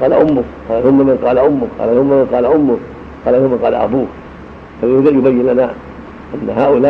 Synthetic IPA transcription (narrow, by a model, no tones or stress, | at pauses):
qɑːla̰ʔʊmːʊqɑːlahʊmːamanqɑːlaʔʊmːʊqɑ̰ːlahʊmːamanqɑːlaʔʊmːʊ | qɑːlanhʊmːaqɑːla̰ʔa̰buː | famhɪd̪ajʊbajːɪnlana | ʔanːahaːʔʊlaː